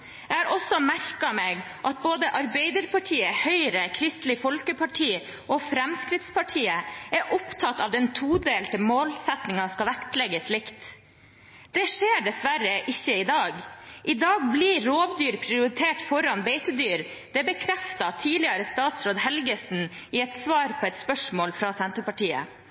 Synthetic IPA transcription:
jɛæːɾʔɔsːɔmæɾkɑmeːɡ | ʔɑt̪̚boːd̪əʔɑɾbeɪd̪əɾpɑʈʰiːəhœʏɾəkʰɾɪst̪lɪfɔlkəpʰɑʈʰiː | ʔɔfɾɛmskɾɪt̪spɑʈʰiːəæʔʊpt̪ʰɑt̪ːɑ̰ʋd̪ɛnt̪ʰuːd̪eːlt̪əmoːlsɛt̪nɪŋɑskɑʋækt̪lɛɡəsɭɪkt̪ | d̪̥ɛʂeːɖɛsʋæɾəʔɪçːəɪd̪ɑːɡʔɪd̪ɑːɡbliɾoːʋd̪yːɾpʰɾɪʊɾɪt̪ʰeːʈfɔɾɑnbɛɪt̪əd̪yːɾ | d̪̥ɛbəkʰɾɛft̪ɑt̪ʰiːlɪɑɾəst̪ɑːt̪sɾoːd̪hɛlɡəsn̩ | ɪɛt̪sʋɑːɾpʰɔɛt̪spœʂmoːlfɾɑsɛnt̪əɾpɑʈiːə̰

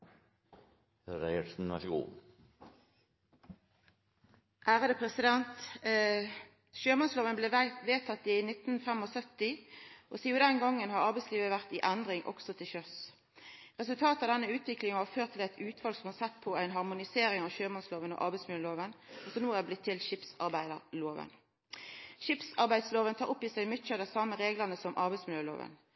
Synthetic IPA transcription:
ɾæɪəɾsn̩ʋæ̰ʁʂɡṵː | ʔæːʁəd̪əpʰʁɛsɪd̪ɛnt̪ | ʃøːmɔnsloːʋənbleːʋeːt̪ʰɑt̪ːɪnɪt̪nfɛmɔsœt̪ɪʔɔ̰siːʊd̪ɛnɡɑŋːənhɑʁɑʁbæɪtsliːʋəʋæʁt̪ɪʔænd̪ʁɪŋʔɔ̰ksɔt̪ʰɪlçœs | ʁɛsʉlt̪ʰɑːt̪ɑʋd̪ɛnːəʉːt̪ʰʋɪklɪŋənʋɑføːt̪ʰːɪlæt̪ʰʉːt̪ʰʋɑːlsɔmhɑʁsɛt̪ːpʰɔæɪnɦɑʁmʊnɪseːɾɪŋɑʋʃøːmɔnsloːʋənɔ̰ʔɑ̰ʁbæɪsmɪljøːloːʋənɔsɔnuːæblɪt̪ʰːɪlʃɪpsɑʁbæɪd̪əʁloːʋə̰n | ʃɪpsɑʁbæɪd̪sloːʋənt̪ʰɑːʁʊpːisæɪmʏt͡ʃːɑd̪æsɑmːəʁeːɡləʁnəsɔmʔɑʁbæɪtsmɪljøːlo̰ːʋə̰n

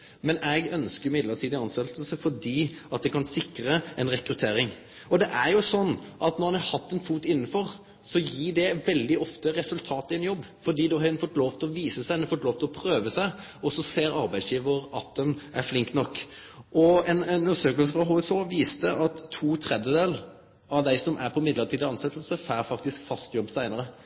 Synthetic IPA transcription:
mɛnɛɡœnskəɾjʊmɪd̪lətʰiːd̪ɪɑnst̪ɛlt̪əsəfɔɖiːɑt̪̚d̪ɛkʰɑnsɪkɾəɛnɾɛkɾʉt̪ʰeːɾɪŋ | ɔd̪ɛʔæɾjʊsɔnːʔɑt̪nɔʁɑnhɑɾhɑt̪ːɛnfuːt̪ɪn̩ːfɔɾ | sɔjiːɖɛʋɛld̪ɪʔɔft̪əɾɛsʉlt̪ʰɑːt̪ɪɛnjɔbːfɔɖiːd̪ɛhɑɾɛnfɔt̪loːʋt̪ʰɔʋiːsəsæɪnɛnfɔt̪loːʋt̪ɔpʰɾøːʋəsæɪɔsɔseːɾɑɾbæɪsjiːʋəɾɑt̪̚d̪ɛnæflɪŋkt̪nɔkːʔɔɛnɛnʉnʂøːkəlsəfɾɑɦuːɛsoːʋiːst̪əʔɑt̪ʰːuːt̪ʰɾɛd̪jəd̪eːl | ɑʋd̪æɪsɔmʔæɾpʰɔmɪd̪ləɾt̪ʰiːd̪ɑɑnsɛt̪l̩səfæːɾfɑk̚t̪ɪskfɑst̪jɔbːsæɪnəɾə

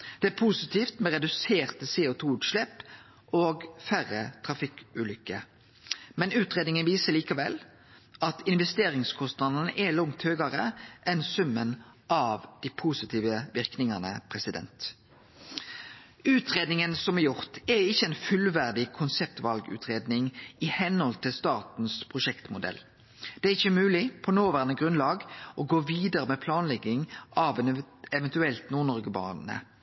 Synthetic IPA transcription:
d̪̥ɛæpʰuːsɪt̪ʰiːft̪mɛʁɛd̪ʉseːʁt̪əseːʊt̪ʰuːʉːt̪ʃlɛp | ʔoːɡfæʁət̪ʰʁɑfɪkʉːlʏkːə | mɛnʉːt̪ʁeːd̪nɪŋənʋiːsəliːkɑʋɛ̰l | ɑt̪ʰɪnʋɛst̪eːʁɪŋskʰɔst̪nɑd̪nəʔɛlɔŋt̪høːɡɑɾəʔɛnsʉmːən | ʔɑʋd̪̥iːpʰuːsɪt̪ʰiːʋəʋɪʁknɪŋɑnə̰pʰʁɛsɪd̪ɛ̰nt̪ | ʉːt̪ʁeːd̪nɪŋənsɔmɛjʊʁt̪ɛɪçːəɛɪnfʉlʋæʁd̪ɪkʰʊnsɛp̚t̪ʋɑlɡʉ̰ːt̪ʰʁeːd̪nɪŋɪhɛnhɔlt̪ʰɪlst̪ɑːʁt̪n̩spʰʁʊʃɛkt̪mʊd̪ɛ̰lː | d̪̥ɛæɾɪçːəmʉːlɪpʰɔnoːʋæːʁənəɡʁʉnlɑːɡʔɔɡoːʋiːd̪əɾəmɛpʰlɑːnlɛɡːɪŋʔɑʋɛn | ɛʋɛnt̪ʉɛlt̪nuːʁnɔʁɡəbɑ̰ːʁnə̰

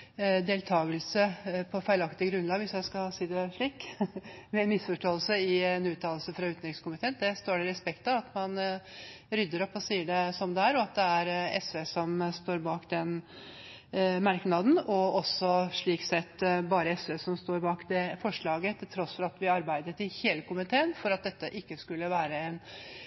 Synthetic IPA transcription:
d̪eːlt̪ʰɑːɡəlsəpʰɔfæɪlɑkt̪əɡɾʉnlɑːɡʋɪsjæɪskɑsiːd̪ɛʂɭiːk | mɛnmɪsfɔʂʈoːəlsəɪɛnʉːt̪ʰɑːllsəfɾɑʉːt̪nɾɪŋskʊmɪt̪ʰeːnd̪ɛst̪oːɖɛɾɛspɛkt̪ɑɑt̪mɑn | ɾʏd̪ːəɾɔpːɔsiːəɖɛsɔmd̪ɛæɾɔɑt̪̚d̪ɛæɾɛ̰sʋesɔmst̪oːɾbɑːkd̪ɛn | mɑɾknɑd̪n̩ɔɔsːɔʂɭiːksɛt̪ːbɑːɾəɛsʋesɔmst̪oːɾbɑːkd̪ɛfɔʂɭɑːɡət̪ʰɪlt̪ʰɾɔsfɔɾɑt̪ʋɪɑɾbæɪd̪ət̪ɪheːləkʊmɪt̪ʰeːənfɔɾɑt̪̚d̪ɛt̪ːəʔɪkːəskʉlːəʋæːɾəɛn

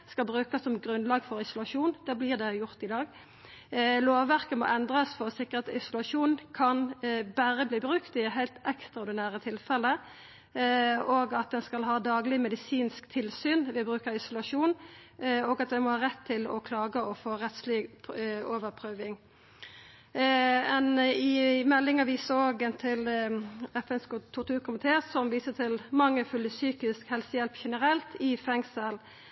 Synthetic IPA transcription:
skɑlbʁʉːkɑsɔmɡʁʉnlɑːɡfɔʁɪsʊlɑʂuːnd̪̥ɛblɪʁd̪ɛjʊʁt̪ɪd̪ɑːɡ | loːʋːæʁkəmɔ̰ʔɛnd̪ʁɑsfɔʁɔsɪkːəʁɑt̪ɪsʊlɑʂuːnkʰɑnbæʁəbliːbʁʉkt̪ɪɦæɪlt̪ɛkst̪ʁɑɔːʁd̪ɪnæːʁət̪ʰɪlfɛlːə | oːɡɑt̪̚d̪ɛnskɑlɦɑːd̪ɑːɡlɪmɛd̪ɪsiːnskt̪ʰɪlsyːnʋɪbɾʁʉːkəʁɪsʊlɑʂuːn | oːɡɑt̪ʋɛmɔhɑːɾɛt̪ʰːɪlɔ̰kʰlɑːɡəɔfoːɾɛt̪slɪ | oːʋəɾpʰʁøːʋɪŋ | ɛnɪmɛlːɪŋɑʋɪsoːɡənt̪ʰɪl | ɛfɛnskt̪ʰʊt̪ʰʉːʁkʰʊmɪt̪ʰeːsɔmʋiːsət̪ʰɪlmɑŋːəfʉlːəsyːkɪskhɛlsəjɛlpçɛnəɾɛlt̪ʰɪfɛŋsəl

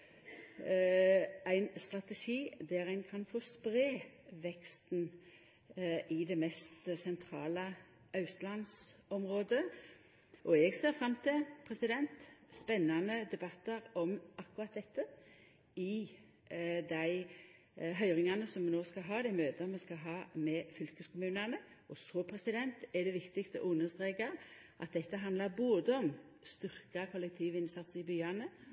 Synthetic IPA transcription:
æɪnst̪ʁɑt̪ɛʂiːd̪æʁæɪnkʰɑnfɔspʁeːʋɛkst̪n̩ | ɪd̪ɛmɛst̪sɛnt̪ʰʁɑːlə | ʔɑʉst̪lɑnsɔmʁoːd̪ə | ʔɔɛɡseːfɾɑmt̪ʰɪlpʰʁɛsɪd̪ɛnt̪spɛnːɑnəd̪ɛbɑt̪ːəʁɔmɑkːʊɾɑt̪̚d̪ɛt̪ːə | ɪ | d̪æɪ | ɦœʏɾɪŋɑnəsɔmːɛnoːskɑɦɑːd̪æɪmøːt̪əmːɛskɑɦɑːmɛfʏlkəskʊmʉːnɑnə | ɔsoːpʰɾɛsɪd̪ɛnt̪ɛd̪ɛʋɪkt̪ɪkst̪əɔ̰ʔʊnːəst̪ɾeːkɑ | ʔɑ̰t̪̚d̪ɛt̪ːəɦɑnd̪lɑɾboːd̪əɔm | st̪ʏʁkɑkʰɔlːɛk̚t̪ʰiːʋɪnsɑt̪sɪbyːɑnə

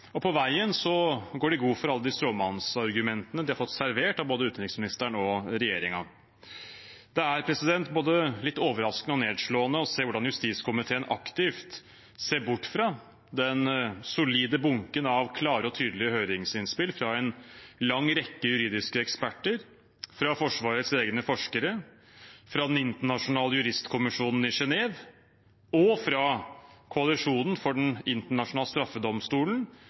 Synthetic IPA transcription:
ɔpʰɔʋæɪənsɔɡoːɖɪɡuːfɔɾɑlːəd̪ɪst̪ɾoːmɑnsɑɾɡʉmɛnt̪ənəd̪ɪhɑɾfɔt̪ːsæɾʋeːʈɑʋboːd̪əʉːt̪nɾɪksmɪnɪst̪əɳɔɾɛjeːɾɪŋɑ | d̪̥ɛæɾpʰɾɛsɪd̪ɛnt̪boːd̪əlɪt̪ːoːʋəɾɑskənəɔneːd̪ʂɭoːənəɔseːʋʊɖɑnjʉst̪iːskʰʊmɪt̪ʰeːənʔɑ̰kt̪ɪft̪ | seːɾbʊʈːfɾɑ | d̪ɛnsʊliːd̪əbʊŋkənɑʋkʰlɑːɾəɔt̪ʰyːd̪lɪəhøːɾɪŋsɪnspɪlfɾɑɛnlɑŋːɾɛkːəjʉɾiːd̪ɪskəɛkspæʈːəɾ | fɾɑfɔʂʋɑːɾət̪seːɡnəfɔʂkəɾə | fɾɑd̪ɛnɪnt̪əɳɑʂʊnɑːləjʉɾɪst̪kʰʊmɪʂuːnn̩ɪʂɛneːʋ | ɔfɾɑkʰʊɑlɪʂuːnn̩fɔɖɛnɪnt̪əɳɑʂʊnɑːlst̪ɾɑfːəd̪ɔmst̪uːln̩

